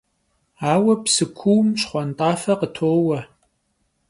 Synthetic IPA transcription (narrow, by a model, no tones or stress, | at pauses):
aːwɐpsɨkʷʰuwmɕχʷɔntʼɑːfɐqətʰoːwɐ